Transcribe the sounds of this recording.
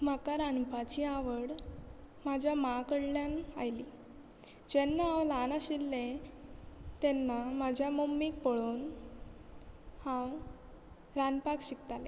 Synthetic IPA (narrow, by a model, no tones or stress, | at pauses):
m̤akaɾanpat͡ɕiaʋəɽ | mad͡ʑʱjamakəɽljanajli | d͡ʑɛnːaːwlanaɕilːẽ | t̪ɛnːamad͡ʑʱjamomːik̚pəɭuːn | hã | ɾanpakɕikt̪ale